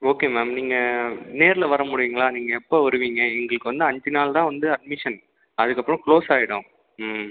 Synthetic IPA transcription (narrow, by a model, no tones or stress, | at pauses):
oːkeːmaːmniːŋɡɐneːɾɪlɐʋɐɾɐmʊɽɪʋiːŋɡɐɭaːniːŋɡɐɛpːoːʋɐɾɯʋiːŋɡɐɛŋɡɐɭɯkːɯʋɐnd̪ɯɐɲd͡ʒɪnaːlt̪ãːʋɐnd̪ɯɐɖ̚mɪʂɐn | ɐðɯkːɐpːɯɾʊ̃kɭoːsaːjɪɽʊ̃